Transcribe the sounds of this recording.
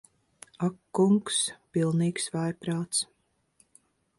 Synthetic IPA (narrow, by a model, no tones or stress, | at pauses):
akːuŋkspilˠniːksvajpɾaːt̪s